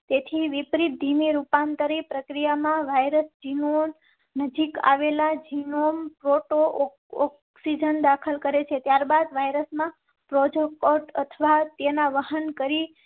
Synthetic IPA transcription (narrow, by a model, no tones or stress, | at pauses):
t̪et̪ʰiʋipɾit̪̚d̪ʱineɾupant̪əɾipɾəkɾijamãʋajɾəsd͡ʒinon | nəd͡ʒika̰ʋelad͡ʒinompɾoʈo | ɔk | sid͡ʒənd̪akʰəlkəɾet͡ʃʰet̪jaɾbad̪ʋajɾəsmã | pɾod͡ʒokoʈət̪ʰʋat̪enaʋəɦənkəɾi